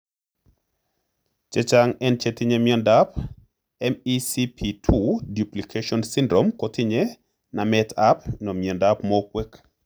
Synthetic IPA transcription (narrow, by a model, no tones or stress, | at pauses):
t͡ʃet͡ʃaŋɛnt͡ʃetɪɲemjɔndap | ɛmisipʰitʰuduplikʰeʃɔnsindɾomkɔtiɲe | namɛtʰapnɔmjɛndapmɔkwek